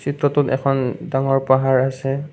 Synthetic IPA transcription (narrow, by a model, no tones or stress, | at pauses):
sitɹɔtʊtɛ̰kʰɔndaŋɔɹpaɦaɹasɛ